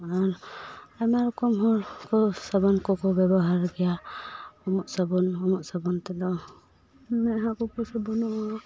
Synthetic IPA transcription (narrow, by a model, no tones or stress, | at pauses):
aɾamaɾɔkɔmɦɔɾkɔsabɔnkɔkɔbɛbɔɦaɾɡɛja | ɔmɔʔsabɔnɔmɔʔsabɔnt̪ɛd̪ɔ | mɛɦakɔkɔsabɔnɔɔ